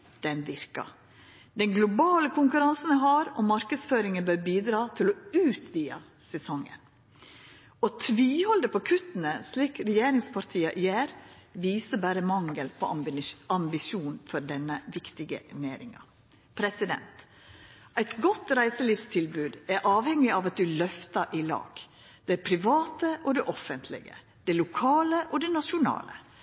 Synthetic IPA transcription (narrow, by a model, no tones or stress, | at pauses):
d̪̥ɛnʋɪɾkɑ̰ | d̪ɛŋɡlʊbɑːləkʰʊŋkʉɾɑnsən̩əɦɑɾɔmɑɾkəd̪sføːɾɪŋənbœɾbiːd̪ɾɑːt̪ʰɪlɔʉːt̪ʰʋiːɑ̰ | sɛsɔŋːə̰n | ɔt̪ʰʋiːhɔld̪əpʰɔkʰʉt̪ːənəsliːkɾɛjeːɾɪŋspʰɑɾt̪ʰiːɑʔɪeːɾʋiːsəbæːɾəmɑŋəlpʰoɑmbɪʃuːnfɔɾɖɛnːəʋɪkt̪ɪɡə̰ʔneːɾɪŋɑ̰ | pʰɾɛsɪd̪ɛ̰nt̪ | ʔæɪt̪ɡɔt̪ɾæɪsəliːfst̪ʰɪlbʉːd̪æɾʔɑːʋhɛŋɪʔɑʋɑt̪̚d̪ʉlœft̪ɑʔɪlɑ̰ːɡ̥ | d̪̥ɛpʰɾɪʋɑːt̪əʔɔd̪ɛʔɔfənt̪ʰlɪ̰ɡə̰ | d̪̥ɛlʊkʰɑːləʔɔd̪ɛnɑʃʊnɑ̰ːlə̰